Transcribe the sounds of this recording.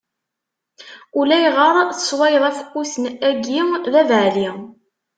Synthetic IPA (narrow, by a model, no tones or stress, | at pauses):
ulæjʁəɾˤθə̥swæjəðˤæfə̥kːusənæɡiðævʕli